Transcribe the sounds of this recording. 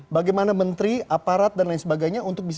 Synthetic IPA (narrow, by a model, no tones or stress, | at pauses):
baɡajmanamənt̪ɾiapaɾat̪̚danlajaŋsəbaɡajɲaunt̪ʊk̚bis